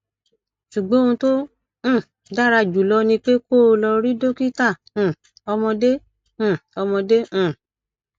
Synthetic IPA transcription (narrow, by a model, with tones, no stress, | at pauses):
ʃu˨ɡ͡bɔ̃˨˦ũ˧tõ˦˨ | da˦ɾa˧d͡ʒu˨lɔ˧nĩ˧k͡pe˦ko˦˧lɔ˧ɾi˦do˦ki˦tã˦˨ | ɔ˧mɔ̃˧dẽ˦˨ | ɔ˧mɔ̃˧dẽ˦˨